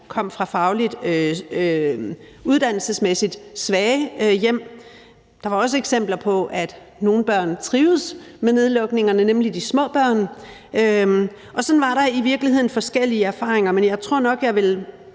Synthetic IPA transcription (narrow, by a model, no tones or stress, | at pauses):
kʰɒ̽m̰fʁɑ̈fɑ̈ʊlid̥øø | uð̞ˠd̥æn̰l̩səsmesid̥sʋɛːɪəjem̰ | d̥ɑ̈ʋɑ̈ɒ̽s̬əeɡ̥sem̰b̥lɐpʰɒ̽ʔæd̥ | no̝ːn̩b̥ɶɐ̰nt͡sʰʁiːʊð̩ˠsmene̝ð̞ˠlɒ̽ɡ̥ne̝ŋɐnənemlid̥ismɔ̰̽ːb̥ɶɐ̰nø | ʔɒ̽sɒ̽nʋɑ̈ɾɑ̈iʋiɐɡ̥lihe̝ð̰ˠn̩fɒ̽sɡ̥el̰iəæɐfɑ̰̈ːʁeŋɐmenjɑ̈ɪt͡sʰʁo̝ɐ̰nɒ̽ɡ̥jɑ̈ɪʋe̝l